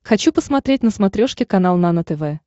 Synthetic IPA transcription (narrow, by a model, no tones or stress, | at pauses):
xɐt͡ɕupəsmɐt̪ɾʲet̚ʲnəsmɐt̪ɾʲoʂkʲɪkɐnalˠnanət̪ɛvɛ